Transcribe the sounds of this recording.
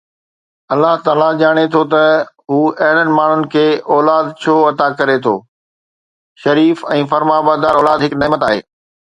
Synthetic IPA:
ɐlːaɦt̪aːlad͡ʑaːɽ̃et̪ʰot̪ɐ | ɦuːɐɦɪnənɪ̆maːɳ̤ʊnɪ̆kʰeːɔːlaːd̪t͡ɕʰoːɐt̪akɐɾet̪ʰo̰ː | ʃɐɾiːfɛ̃ːfɐɾmabaːd̪aːɾɔːlaːd̪ɦɪknɐːmət̪aːɦḛː

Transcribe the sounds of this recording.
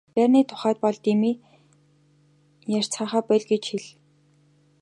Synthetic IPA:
pæːrniːt̪ʰʊ̥χæːt̪̚pɔɮt̪imiː | jar̥t͡sχaːχæːpæːɮɡet͡ɕxiɮ

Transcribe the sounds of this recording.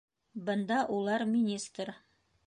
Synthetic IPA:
bɤ̆nd̪ɑʔulˠɑɾmʲɪnʲist̪r

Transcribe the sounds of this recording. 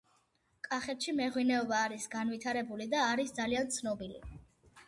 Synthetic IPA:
kʼaχɛt̪ʃimɛʁwinɛɔbaːɾisɡanvit̪ʰaɾɛbulid̪aːɾisd̪zaliant̪sʰnɔbilḭ

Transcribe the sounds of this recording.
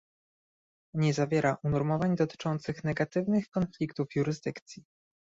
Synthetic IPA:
ɲɛzavʲjɛɾaʔunɔɾmɔvaɲd̪ɔt̪ɘ̥t͡ʂɔnt̪sɘxnɛɡat̪ɘvnɘxkɔnflʲikt̪ufjuɾɘzd̪ɘkt̪sʲji

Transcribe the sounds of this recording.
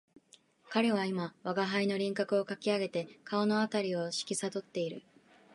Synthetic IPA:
kaɾe̞β̞aimaβaɡaɦaino̞ɾʲĩŋkakɯ̟o̞kakʲiaɡe̞t̪e̞kʰao̞no̞at̪aɾʲio̞ɕi̥kʲisad̪o̞t̪ːe̞iɾɯ̟̰

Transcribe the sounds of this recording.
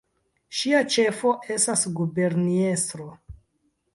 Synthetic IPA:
ʃiat͡ʃe̞fo̞ʔe̞stasɡube̞ɾnie̞stɾo̞

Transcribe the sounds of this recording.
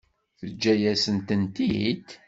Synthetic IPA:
θəd͡ʒːæjæsənt̪ənt̪id̪

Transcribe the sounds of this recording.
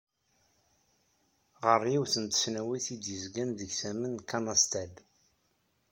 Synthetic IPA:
ʁəriwθənt̪ə̥snæwiθid̪jəzɡænðəɡsæmənkanɑst̪æd

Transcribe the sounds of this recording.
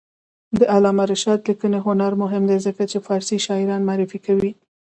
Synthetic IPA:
d̪əʔalɑmaɾɪʃɑd̪ləkəneɦʊnaɾmʊɦɪmd̪ezəkat͡ʃefɑɾsiʃɑɪɾɑnmaːɾɪfikawi

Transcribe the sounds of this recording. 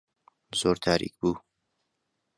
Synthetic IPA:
z̥oːɾt̪ʰaːɾḭk̚buː

